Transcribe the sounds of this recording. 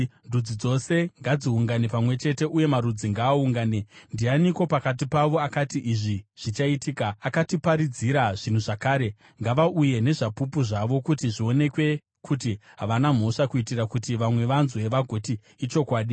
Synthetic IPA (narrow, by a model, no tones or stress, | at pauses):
ndud͡zid͡zo̞se̞ŋɡad͡ziuŋɡanepamwe̞t͡ʃe̞te̞ʔuje̞maɾud͡ziŋɡaːuŋɡaːne̞ndianikwo̞pakat̬ipaʋo̞akatiʔiʐiʐ̥it͡ʃaitiːkaːkatipaɾid͡ziɾaʐin̤uʐakaːɾe̞ | ŋɡaʋaʔuje̞ne̞ʐapupuʐaʋo̞kutiʐio̞ne̞kwe̞ | kʰut̬iɦaʋanam̤o̞ʂakuitiɾakutiʋamwe̞ʋanzue̞ʋaɡʱo̞tiː | t͡ʃo̞kwaːɗi